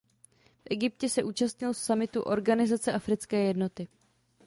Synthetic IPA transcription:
fʔɛɡɪpcɛsɛʔuːt͡ʃast̪ɲɪlssamɪt̪uʔo̞ɾɡanɪzat͡sɛʔafɾɪt͡skɛːjɛdno̞t̪ɪ

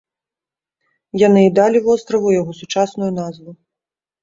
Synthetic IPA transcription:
janɨːd̪alʲivɔst̪ɾɐvujaɣɔsut͡ʂasnujunazvu

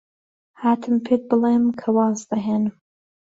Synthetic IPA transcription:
haːt̪ʰɨmpʰet̪̚bɨlˠeːmkʰɐwɑːsd̪ɐɦeːnɨm

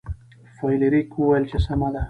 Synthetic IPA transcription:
fojliɾikwuwajlt͡ʃesamad̪a

